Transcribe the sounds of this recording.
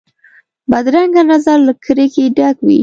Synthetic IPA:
bad̪ɾaŋɡanazaɾləkʰəɾekeɖakwḭ

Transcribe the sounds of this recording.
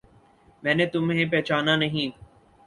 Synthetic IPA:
mɛ̃ːnet̪ʊmɦẽp̬ɛːt͡ʃaːnanɐɦĩː

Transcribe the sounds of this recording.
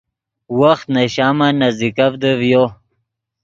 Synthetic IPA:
waxt̪naɕaːmanazd̪ikafd̪əvjo

